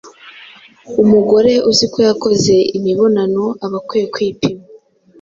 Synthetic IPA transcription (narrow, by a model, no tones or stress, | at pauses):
umuɡo̞ɾe̞ʔuzikojako̞ze̞imiβo̞nano̞aβakwejekwiːpima